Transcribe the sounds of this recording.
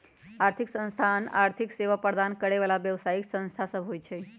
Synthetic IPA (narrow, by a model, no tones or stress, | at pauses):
aɾt̪ʰiksə̃nst̪ʰana̰ɾt̪ʰikseʋapəɾd̪ankəɽeʋalaʋjəʋsaiksə̃nst̪ʰasəbʱɦojt͡ʃʰɛ